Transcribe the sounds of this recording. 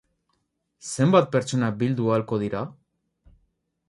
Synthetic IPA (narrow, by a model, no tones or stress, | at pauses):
se̞mbat̪̚peɾt͡so̞nabild̪ualko̞ð̞iɾa